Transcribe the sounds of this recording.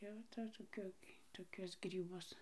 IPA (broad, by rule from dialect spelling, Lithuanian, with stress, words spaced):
ˈjɛʊ tɐ toːˈkʲʊ toːˈkʲʊs ɡrʲiːˈbʊs